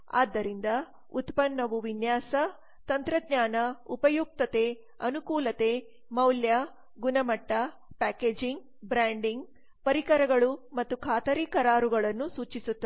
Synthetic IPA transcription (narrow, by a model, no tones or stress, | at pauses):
a̰ːd̪ːɐɾind̪ɐ | ut̪pɐnːɐʋuʋinjaːsɐ | t̪ɐnt̪ɾɐd̪ɲaːnɐupɐjuk̚t̪ɐt̪e | ɐnukuːlɐt̪e | mɐwljɐ | ɡunɐmɐʈːɐ | paːkeːd͡ʒiŋɡ | bɾaːɳɖiŋɡ | pɐɾikɐɾɐɡɐɭumɐt̪ːukʰaːt̪ɐɾiːkɐɾaːɾuɡɐɭɐnːusuːt͡ʃisut̪ːɐ